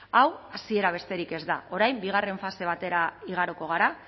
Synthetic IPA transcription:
awasie̞ɾaβ̞e̞st̪e̞ɾike̞zd̪a̰ʔo̞ɾajmbiɣ̞are̞ɱfase̞β̞at̪e̞ɾaiɣ̞aɾoko̞ɣ̞aɾa

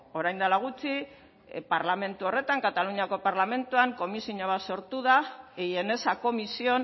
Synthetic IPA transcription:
o̞ɾajnd̪alaɣ̞ut͡si | paɾlame̞nt̪uo̞re̞t̪aŋkat̪aluɲiako̞paɾlame̞nt̪uaŋko̞misioɲaβaso̞ɾt̪uðaejene̞sako̞misio̞n

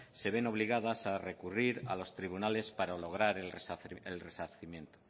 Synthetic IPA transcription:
se̞β̞e̞no̞β̞liɣaðasare̞kuriɾa̰lo̞st̪ɾiβunale̞spaɾalo̞ɣ̞ɾaɾeelre̞saθimjent̪o̥

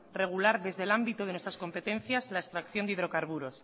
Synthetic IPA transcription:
re̞ɣ̞ulaɾðe̞zðelambit̪oð̞enwest̪ɾasko̞mpe̞t̪ẽ̞nθjazlaest̪ɾakθjo̞nd̪iðɾo̞kaɾβuɾo̞s

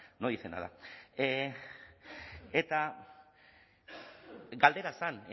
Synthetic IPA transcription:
noisena̰ða̰ | et̪a | ɡald̪e̞ɾasane

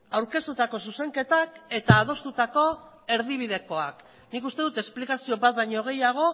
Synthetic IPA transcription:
awɾke̞st̪ut̪ako̞suse̞ŋke̞t̪ake̞t̪aːð̞o̞st̪ut̪ako̞ | e̞ɾð̞iβ̞ið̞e̞ko̞a̰k | nikust̪e̞ðut̪e̞splikasio̞βat̪̚baɲo̞ɣ̞e̞jaɣ̞o̞

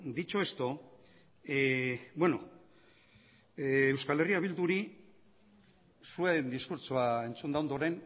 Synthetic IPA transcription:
d̪it͡ʃo̞e̞st̪o | bwe̞no̞ | ewskale̞riaβild̪uɾi | suend̪iskuɾt͡ʃoae̞nt͡sund̪aond̪oɾe̞n

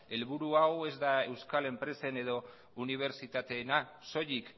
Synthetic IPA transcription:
e̞lβ̞uɾuawe̞zd̪ae̞wskale̞mpɾe̞se̞ne̞ðo̞ | uniβ̞e̞ɾt͡ʃit̪at̪e̞ːnaso̞ʎik

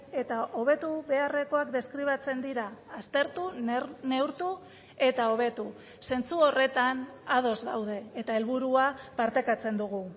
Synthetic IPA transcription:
e̞t̪aʔo̞β̞e̞t̪uβe̞are̞ko̞akd̪e̞skɾiβ̞at͡se̞nd̪iɾaːst̪e̞ɾt̪une̞wɾt̪u | e̞t̪ao̞β̞e̞t̪u | se̞nt͡suo̞re̞t̪anað̞o̞zɣawðe̞ːt̪ae̞lβuɾuapaɾt̪e̞kat͡se̞nd̪uɣu

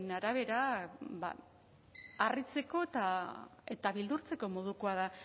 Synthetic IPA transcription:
naɾaβ̞e̞ɾaba̰ | arit͡se̞ko̞et̪ae̞t̪aβild̪uɾt͡se̞ko̞mo̞ð̞ukoaða

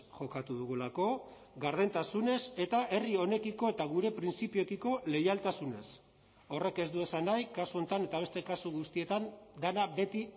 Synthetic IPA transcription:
ʝo̞kat̪uðuɣulako̞ | ɣaɾðent̪asune̞se̞t̪ae̞rio̞ne̞kiko̞et̪aɣ̞uɾe̞pɾint͡sipiokiko̞le̞jalt̪asune̞s | o̞re̞ke̞zd̪ue̞sanajkasuo̞nt̪ane̞t̪aβ̞e̞st̪e̞kasuɣust̪ie̞t̪and̪anabe̞t̪i

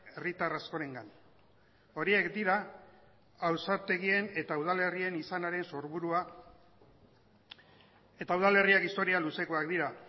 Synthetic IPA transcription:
e̞rit̪arasko̞ɾe̞ŋɡan | o̞ɾie̞kd̪iɾaː | wsaɾt̪e̞ɣ̞ie̞ne̞t̪auð̞ale̞rie̞nisanaɾe̞nso̞ɾβuɾua | e̞t̪auð̞ale̞riakist̪o̞ɾialuse̞ko̞akd̪iɾa

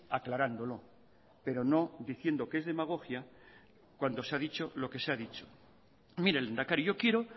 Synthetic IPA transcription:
aklaɾand̪o̞lo | pe̞ɾo̞no̞d̪iθje̞nd̪o̞keezðe̞maɣ̞o̞xja | kwand̪o̞saðit͡ʃo̞lo̞ke̞seaðit͡ʃo̥ | miɾelend̪akaɾiʝo̞kje̞ɾo

